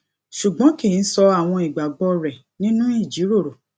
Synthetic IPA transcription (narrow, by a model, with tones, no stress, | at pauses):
ʃu˨ɡ͡bɔ̃˨˦ki˦˨n̩˦sɔ˧a˦˨w̃ɔ̃˧i˨ɡ͡ba˨ɡ͡bɔ˧ɾɛ˨ | nĩ˦nũ˦i˦˨d͡ʒi˨˦ɾo˦˨ɾo˨